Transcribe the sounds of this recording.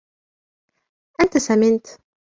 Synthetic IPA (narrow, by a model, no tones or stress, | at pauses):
ʔant̪asamɪnt̪